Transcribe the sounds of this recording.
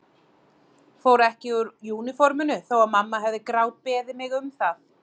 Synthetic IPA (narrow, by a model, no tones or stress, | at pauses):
fowɾɛhcɪʏɾjuːnɪfɔɾmʏnʏθowaðmamːaɦɛvðɪkɾaːwt̪̚pɛːðɪmɪɣʏmθað